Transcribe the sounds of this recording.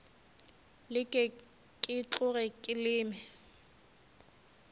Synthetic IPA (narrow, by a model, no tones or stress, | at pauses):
lɪkʼɪ | kʼɪt͡ɬʼʊɣɛkʼɪlɪːmɛ